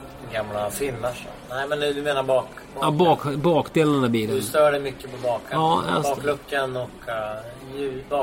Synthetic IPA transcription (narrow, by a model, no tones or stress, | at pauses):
ɛɡamlafɪnːaʂɔ̰nɛɪmɛnd̪ɵmeːnaɾbɑːkː | ɑbɑːkbɑːkd̪eːlannæbiːɾəst̪œːɖɛmʏkːəpɔbɑːkɑːa̰bɑːklɵkːənɔkː | jʉbɑ